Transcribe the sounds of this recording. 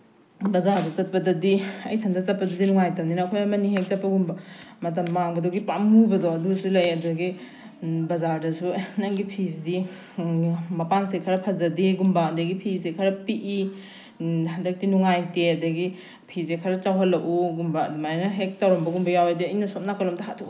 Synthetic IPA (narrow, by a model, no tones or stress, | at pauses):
bɐzaɾdɐt͡ʃɐt̚pɐdɐdiɐjtʰɐndɐt͡ʃɐt̚pɐdɐdinuŋajtɐmninɐːkʰojɐmɐniɦek̚t͡ʃɐt̚pːɐɡumbɐmɐt̬ɐmːaŋbɐdoɡipamubɐdɔɐdusulɐjɐdɐɡi | bɐzaɾdɐsunɐŋɡipʰisdi | mɐpansekʰɐɾɐpʰɐzɐdiɡumbadɐɡipʰizsekʰɐɾɐpiʔi | ɐndɐk̚tinuŋajteɐdɐɡi | pʰizekʰɐɾɐt͡ʃawɦɐlːɐkuɡumbaɐdumajnɐɦek̚tawɾombɐɡumbɐjawediɐjnɐsot̚nakʰɐlomtakʰatʰ